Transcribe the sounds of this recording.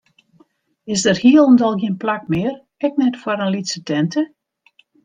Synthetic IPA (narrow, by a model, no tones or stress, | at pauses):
ɪsdərhiəlˠɔndɔlˠɡjiənplak̚mɪər | ɛk̚nɛtfwaɾənlitsətɛntʰə